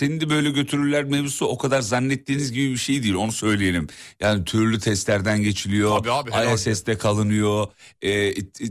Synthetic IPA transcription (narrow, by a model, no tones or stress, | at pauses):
se̞nind̪ɛbø̞jlʲɛɟø̞t̪ʰyɾylʲæɾmebusuo̞kʰad̪aɾzanːɛt̪ːiːnizɟibibiʃe̞jd̪ijilʲo̞nusø̞jlʲejeɾʲimjaːnit̪ʰyɾlʲyt̪ʰɛst̪lʲæɾd̪ænɟe̞t͡ʃʰilʲijo̞ajasɛst̪ɛkʰalˠɯnɯjo̞ɛː